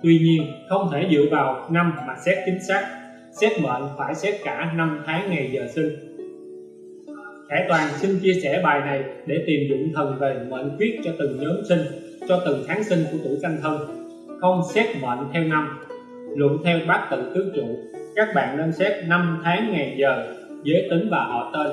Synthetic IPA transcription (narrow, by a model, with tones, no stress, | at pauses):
t̪wi˧ɲi˧ənxə˧wŋ͡mt̪ʰe˧˩zɨ̰˧˨vaː˨˩wna˧mmaː˨˩sɛ˦˥t̚t͡ɕï˨˦ŋ̟saː˦˥k̚ | sɛ˦˥t̚mə̰ː˧˨nfaː˧˩jsɛ˦˥p̚kaː˧˩na˧mt̪ʰaː˨˦ŋːa˨˩jzəː˨˩sï˧ŋ̟ | xaː˧˩t̪waː˨˩nsï˧ŋ̟t͡ɕi˧əsɛ˧˩ɓaː˨˩jna˨˩jɗe˧˩t̪i˨˩mzʊ̰˧˨ŋ͡mt̪ʰə˨˩nve˨˩mə̰ː˧˨nkwi˦˥t̚t͡ɕɔ˧t̪ɨ˨˩ŋɲəː˨˦nsï˧ŋ̟ | t͡ɕɔ˧t̪ɨ˨˩ŋt̪ʰaː˨˦ŋsï˧ŋku˧˩ət̪ṵ˧˩ka˧ŋt̪ʰə˧n | xə˧wŋ͡msɛ˦˥t̚mə̰ː˧˨nt̪ʰɛ˧wna˧m | lə̰˧˨nt̪ʰɛ˧wɓaː˦˥k̚t̪ɨ̰˧˨t̪ɨ˨˦əkt͡ɕṵ˧˨kaː˦˥k̚ɓa̰ː˧˨nɗə˧nsɛ˦˥p̚na˧mt̪ʰaː˨˦ŋŋa˨˩jzəː˨˩ | zəː˨˦jt̪ï˨˦ŋ̟vaː˨˩ʔɔ̰˧˨˩t̪əː˧j